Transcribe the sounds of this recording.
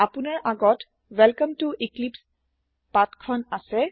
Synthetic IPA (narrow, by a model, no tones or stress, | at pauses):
apunaɹʔaɡɔt | wɛlkamtuʔiklips | patkʰɔnasɛ